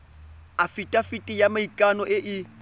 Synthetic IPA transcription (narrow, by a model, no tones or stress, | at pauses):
afitʼafitʼɪjamaikʼanɔʔɪʔɪ